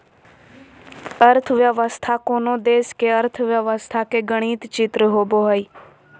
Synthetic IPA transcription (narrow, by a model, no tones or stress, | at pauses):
əɾt̪ʰʋjəʋəst̪ʰaːkoːnoːd̪eːskeːəɾt̪ʰʋjəʋəst̪ʰaːkeːɡəɽ̃iːt̪t͡ʃɪt̪ɾəɦoːboːɦəiː